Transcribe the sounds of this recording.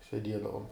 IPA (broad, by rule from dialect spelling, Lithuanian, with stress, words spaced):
sʲɛˈdʲiɛdɐʋʊm